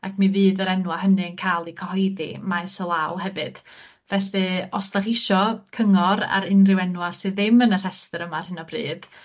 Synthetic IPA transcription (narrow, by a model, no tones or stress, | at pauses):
akʰmiviːðəɾɛnwaɦənɨənkʰaːlˠikʰɔhɔjðḭmajsɔlˠawhɛvɨd̥ | vɛɬɨɔstaχɪʃɔkʰəŋɔɾa̰ɾɪnrɪwɛnwasɨðɪmənər̥ɛstəɾəmar̥hənɔbrḭːd̥